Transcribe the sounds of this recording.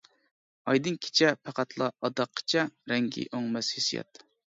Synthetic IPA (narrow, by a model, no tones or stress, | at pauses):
ɑjd̪ɨnkʲʰi̥t͡ʃʰɛpʰæqʰæt̪ʰlˠɑɑd̪ɑqʰːə̥t͡ʃʰɛɾɛŋɡʲḭʔoŋmɛshesijɑ̰t̪